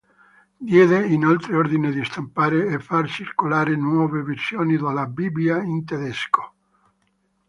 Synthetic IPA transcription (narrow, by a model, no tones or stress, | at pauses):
d̪jɛːðeinalt̪ɾeord̪ined̪ist̪ampaːɾeːfːart͡ʃirkolaːɾenwɔːveversjoːnid̪alabibijaint̪eðɛsko̥